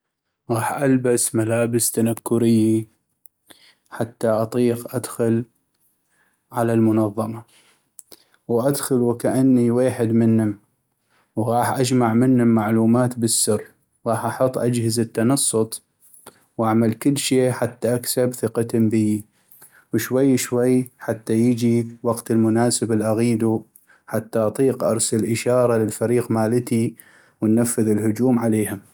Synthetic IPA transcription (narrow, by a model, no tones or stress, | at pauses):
ɣɑːħʔalbasmalaːbɪst̪anakːʊɾɪjːi | ħat̪ːaʔɑt̪ˤiːqʔad̪xʊl | ʕalalmʊnɑðˤːɑmɑ | wʔad̪xʊlwɪkaʔanːiweːħɪd̪mɪnːʊm | wɣɑːħʔad͡ʒmaʕmɪnːʊmːaʕluːmaːt̪bɪsːʊrː | ɣɑːħʔɑħʊt̪ˤːʔad͡ʒhɪzɪt̪ːɑnɑsˤːʊt̪ˤ | wʔaʕmalkɪlːʃeːħat̪ːaʔaksabθɪqɑt̪ʊmbɪji | wʃwajːʃwajːħat̪ːajɪd͡ʒiwɑɡt̪ɪlmʊnaːsɪbɪlʔaɣiːd̪u | ħat̪ːaʔɑt̪ˤiːqʔɑ̰ɾˤsalʔɪʃɑːɾˤɑlɪlfaɾiːqmaːlɪt̪i | wɪnːafːɪðɪlhʊd͡ʒuːmʕaleːhʊm